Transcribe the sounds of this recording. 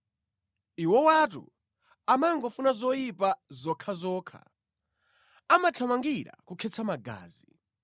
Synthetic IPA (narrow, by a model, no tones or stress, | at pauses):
iwɔwatṵ | amaŋɡɔfunazɔjipazɔkʰazɔːkʰa̰ | amatʰamaŋɡiɾa̰kukʰɛt͡sʰamaɡa̰ːzi